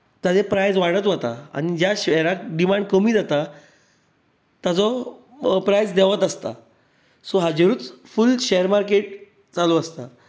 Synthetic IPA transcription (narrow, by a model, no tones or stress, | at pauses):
t̪ad͡zepɾajd͡zʋaɽət̪ʋət̪a̰a̰ñid͡ʑjaɕɛɾakɖimãɳɖkəmiːd͡zat̪a | t̪jat͡sɔ | pɾajd͡zd̪ɛʋət̪əst̪a̰ | sɔɦad͡ʑeɾuːt͡sfulɕeəɾmaɾkeʈ̚ | t͡saluast̪a